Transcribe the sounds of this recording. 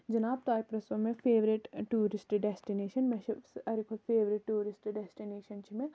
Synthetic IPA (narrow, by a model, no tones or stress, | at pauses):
d͡ʒɐnaːb̚t̪aːjipɾɐsʋɐmẽfʰeːʋɾiʈʈːuːɾɪsʈɖɛsʈineːʃɐnmeʃʰisɐɾikʰolfʰeːʋɾɪʈːuːɾɪsʈɖɛsʈineːʃɐnt͡ʃʰimẽ